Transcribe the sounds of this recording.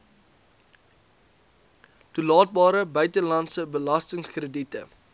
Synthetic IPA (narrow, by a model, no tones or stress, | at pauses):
tulɑːt̚bɑːɾəbœɥtəlɐntsəbəlɐstəŋskrəditə